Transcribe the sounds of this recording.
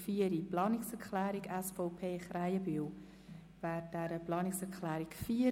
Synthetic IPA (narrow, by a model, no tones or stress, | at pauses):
fiːəɾiplɑːnɪksɛɾkʰlɛːɾiɡɛsfɔʊpʰeːχrajəbiw | væːɾd̥æɾəplɑːnɪksɛɾkʰlɛːɾikfiːə